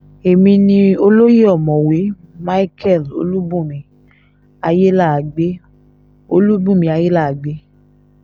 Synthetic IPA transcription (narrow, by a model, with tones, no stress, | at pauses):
e˨mĩ˧nĩ˧o˧lo˦je˦ɔ˦˨mɔ̃˨we˨˦ | ma˦i˦kʰɛ˦˨lo̰˧˦lu˦bũ˦˨mĩ˨ | a˧je˦la˦˨ɡ͡be˦ | o˧lu˦bũ˦˨mĩ˨a˧je˦la˦˨a˨ɡ͡be˦